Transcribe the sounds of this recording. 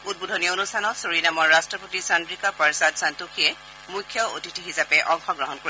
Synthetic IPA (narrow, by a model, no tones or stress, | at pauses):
ud̚budʱɔnijɔonustʰanɔsoɹinamɔɹːastɹɔpotisandɹikapaɹsadsantukʰiɛ | mujkʰːjɔotitiɦizapɛʔɔŋxɔɡɹɔɦɔnkoɹ